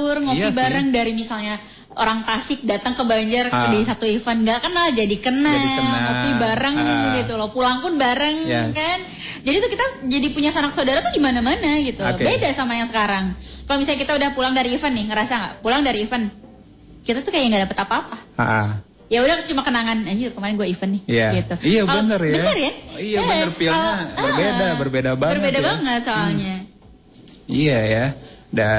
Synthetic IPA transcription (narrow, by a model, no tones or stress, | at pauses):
tʊrŋopibaɾəŋdaɾimisalɲa | o̰ɾaŋt̪asɪk̚dat̪əŋkəbaɲd͡ʒardaisat̪uifənɡaʔkənald͡ʒadikənalŋopibaɾəŋɡit̪ulɔhpulaŋpʊnbaɾəŋkan | d͡ʒadit̪ukit̪ad͡ʒadipuɲasanaksadaɾat̪uɡimanamanaɡit̪ulɔbedasamajaŋsəkaɾaŋkalomis̬aɲakit̪audahpulaŋdaɾiːfənːɪhŋəɾasaŋaʔpulaŋdaɾiːfən | kit̪at̪ukajajaŋɡadapət̪apaːpaaʔa | jaudaht͡ʃumakənaŋanad͡ʒikəmaɾɪnɡuaifənːɪhijaɡit̪uijakalbənərjbəanərjaijaaərfilɲabərbedabərbedababərbedabaŋət̪̚soallɲa | ijajada